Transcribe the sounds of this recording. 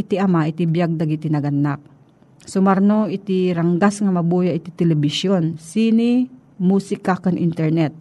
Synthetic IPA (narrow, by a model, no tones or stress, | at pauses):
ɪt̪iɐmaʔɪt̪ibjaɡ̚d̪ɐɡit̪inɐɡɐnːak̚ | sʊmɐɾnoʔɪt̪iɾɐŋɡasŋɐmɐbuːjaʔɪt̪it̪ɛlɛbɪʃjonsiːni | muːsɪkakɐnʔḭnt̪ɛɹnɛt̪̚